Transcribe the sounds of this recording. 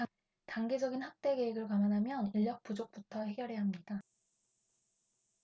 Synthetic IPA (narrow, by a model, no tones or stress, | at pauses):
taŋɡe̞d͡ʑʌɡinhak̚t͈e̞ke̞eɡɯɭkamanɦamjʌniʎːjʌk̚p͈ud͡ʑok̚p͈utʰʌhe̞ɡjʌɾɦe̞ɦamɲida